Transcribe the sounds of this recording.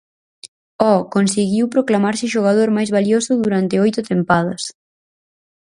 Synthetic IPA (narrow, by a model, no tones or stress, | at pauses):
ɔkonsiɣiwpɾoklamaɾsɪʃoɣ̞aðoɾmajzβaliosʊðuɾant̪ɪojt̪ʊt̪empaðɐs